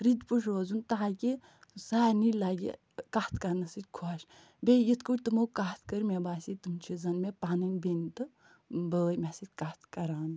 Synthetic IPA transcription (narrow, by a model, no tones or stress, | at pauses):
ɾid̪puʃʰɾoːzunt̪aki | saːnilaɡḭ | kaht̪ʰkɐɾnɐsɨt̪ʲkʰuaːʃ | bʲejit̪ʰkuʈʲt̪ɨmokat̪ʰkəɾmebaːsit̪umt͡ʃʰizɐnmepaːnɨnbent̪ɨ | bəːjmʲasit̪̚ʲkat̪ʰkɐɾaːn